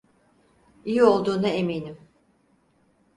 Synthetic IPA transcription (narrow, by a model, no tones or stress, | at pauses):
ijio̞lˠd̪uːnaeminim